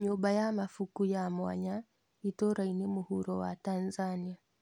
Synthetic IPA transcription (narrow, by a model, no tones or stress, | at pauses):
ɲubajamafukujamwa̰ɲa | itɔɾainemuhuɾɔwa̰tanzania